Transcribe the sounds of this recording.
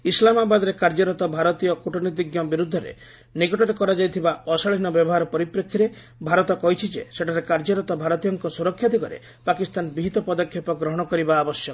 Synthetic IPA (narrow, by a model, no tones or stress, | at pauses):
islamabad̪ɔɾekaɾd͡ʒɔɾɔt̪ɔbʱaɾɔt̪ijɔkuʈʰɔnid̪iɡjɔbiɾud̪ʱːɔɾḛ | niɡɔʈɔɾekɔɾad͡ʒajt̪ʰibaɔsaɭinɔbjɔbɔɦaɾɔpɔɾipɾɔkʰːiɾe | bʱaɾɔt̪ɔkɔɦit͡ʃʰid͡ʒḛseʈʰaɾekaɾd͡ʒɔɾɔt̪ɔbʱaɾɔt̪ijɔŋkɔsuɾɔkʰːjad̪ʱikɔɾḛ | pakist̪anbiɦit̪ɔpɔd̪ɔkʰjɔpɔɡɾɔɦɔɽ̃ɔkɔɾibaːbɔsjɔ